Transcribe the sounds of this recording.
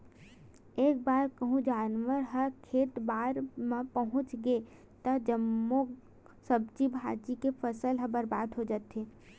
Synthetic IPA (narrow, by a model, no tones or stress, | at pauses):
eːk̚baːɾkəɦũd͡ʒaːnʋəɾɦəɾkʰeːt̪baːɾmãpəɦʊ̃t͡ʃɡe | t̪ɐd͡ʒəmːo | sɐb̚d͡ʒibʱaːd͡ʒikepʰəsəlɦə̃bəɾbaːd̪ɦod͡ʒaːt̪eː